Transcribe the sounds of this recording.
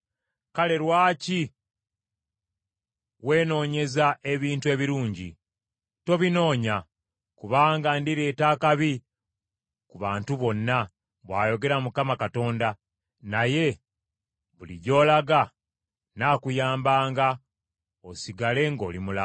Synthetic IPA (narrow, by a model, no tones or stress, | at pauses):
kale̞ɾwaːci | ɣwe̞ːno̞ːɲe̞zae̞βiːntue̞ːβiɾuːɲɟḭ | to̞βino̞ːɲa | kuβaːŋɡandiɾeːtaːkaβi | kuβaːntuβo̞nːa | βwaːjo̞ɡe̞ɾamukamakato̞ːnda | naje̞ | βuliɟo̞ːlaɡa | naːkujaːmbaːŋɡa | osiɡale̞ŋɡo̞̰ːlimula